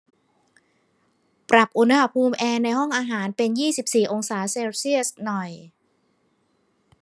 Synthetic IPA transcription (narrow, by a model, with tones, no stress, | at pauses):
pɾa˨˩p̚ʔu˧nha˧ha˧˩pʰuː˧mʔɛː˧na˧jɦɔ˥˩ŋʔaː˧ɦaː˩˦npe˧njiː˥˩si˨˩p̚siː˨˩ʔo˧ŋsaː˩˦seː˧wsi˥˩əsnɔ˨˩j